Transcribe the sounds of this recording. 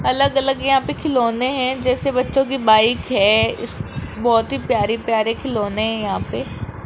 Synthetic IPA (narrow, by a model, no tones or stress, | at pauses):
ɐləɡɐləɡjɐɦãpekʰɪloːneɦɛ̃d͡ʒɛːsebɐtːʃõk̬ibaːɪkɦɛːɪ̰sbɔːt̪ɦipjaːɾipjaːɾekʰɪloːneɦɛ̃jɐɦãpeː